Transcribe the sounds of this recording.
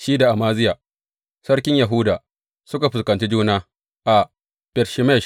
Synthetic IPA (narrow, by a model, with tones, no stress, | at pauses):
ʃiː˦da˨ʔa˨maː˦zɪ˦jaː˨ | sɐ˦ɽkʲɪ˦ɲja˨ɦʊ˦daː˨ | sʊ˦ka˨ɸʊ˨skɐ˨nt͡ʃi˦d͡ʒuː˦naː˦ | ʔa˨ | b̥ɛ˨ɾʃɪ˨mɛ˦˨